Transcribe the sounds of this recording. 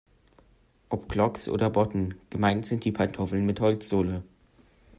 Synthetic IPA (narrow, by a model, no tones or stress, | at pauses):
ʔɔpɡ̥lɔksʔo̰ːdɐbɔtn̩ɡ̥əmaɪntz̥ɪnt̚d̥iːpʰantʰofl̩nmɪthɔlt͡sz̥oːlə